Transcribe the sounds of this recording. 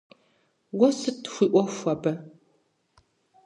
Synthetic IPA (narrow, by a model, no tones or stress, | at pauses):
wɐsɨtʰxʷiʔʷɔfʷɐbɐ